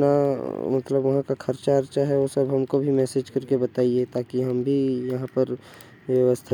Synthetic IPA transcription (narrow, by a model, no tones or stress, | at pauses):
namɐt̪ləbʋɐɦãkakʰɐɾt͡ʃaɐɾt͡ʃaɦɛosəbɦɐmkobʱimɛːsed͡ʒkɐɾkebɐt̪aːiet̪aːkiɦɐmbʱijɐɦãpəɾ | ʋəʋəst̪ʰa